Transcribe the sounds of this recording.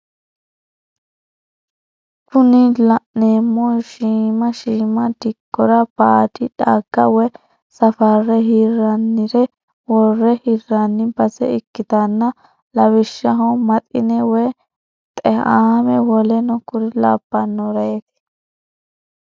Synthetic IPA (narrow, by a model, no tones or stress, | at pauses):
kʰʊnɪlɐʔneːmːɔʃiːmɐʃiːmɐd̪ɪkːɔɾɐb̥aːt̪ɪᶑaːɡːɐwɛ | sɐfarːɛɦirɐnːɪɾɛ | wɔrːɛhirːanːɪbɐzɛ̰ɪkːɪt̪anːɐ | lɐwɪʃːɐɦɔmɐt̪ʼɪnɛwɛ | t̪ʼɛhaːmɛwɔlɛnɔkʊɾɪlaːbːɐnːɔɾɐjet̪ɪ̥